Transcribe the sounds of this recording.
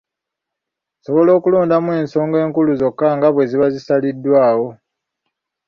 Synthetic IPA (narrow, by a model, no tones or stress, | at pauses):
so̞βolo̞ːkuloːndamwe̞ːnso̞ːŋɡe̞ːŋkuluzo̞kːaŋɡaβwe̞ziβazisalidːwaːwo̞